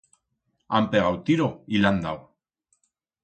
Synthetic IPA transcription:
ampeɣawt̪iɾoiland̪a̰

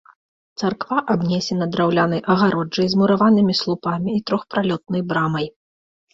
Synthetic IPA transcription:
t̪sarkvaʔabnʲɛsʲɛnɐd̪ɾawlʲanɐjʔɐɣaɾɔɐjzmuɾavanɨmʲislˠupamʲiːt̪ɾɔxpɾalʲɔt̪̚nɐjbɾamɐj

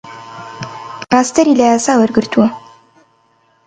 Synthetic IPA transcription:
aːst̪ɐɾiːlɐjaːsaːwɐɾɡɨɾt̪ʰuwɐ

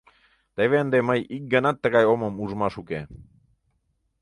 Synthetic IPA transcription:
t̪əβeənd̪eməjik̚ɡənɑt̪ːəɣɑjoməmuʒmɑʃuke

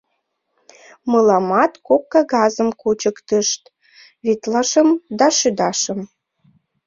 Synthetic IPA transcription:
mɤlɑmɑt̪kokːɑɣɑzəmkut͡ɕəkt̪əʃt̪ | βit̪lɑʃəmd̪ɑʃyd̪ɑʃə̆m

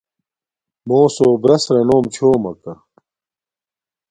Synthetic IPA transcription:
moːsoːbɾɐsɾɐnoːmt͡ɕʰoːmɐ̰kɐ

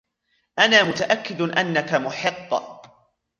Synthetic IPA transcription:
ʔanaːmʊt̪aʔakːɪd̪ʔanːakamʊħɪqː

